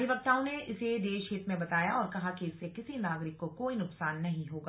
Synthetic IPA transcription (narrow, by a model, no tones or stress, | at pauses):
ibɐk̚t̪ãːõneɪsed̪eːʃɦɪt̪mẽbɐt̪aːjaɔːɾkɐɦakiɪsːekɪsinaːɡɾɪkːokoːinʊpsaːnːɐɦĩɦoːɡaː